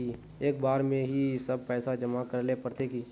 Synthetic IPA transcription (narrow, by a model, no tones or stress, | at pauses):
i | eːk̚baːɾmẽɦisɐb̚pɛːsad͡ʒəmakɐɾlepəɾt̪eki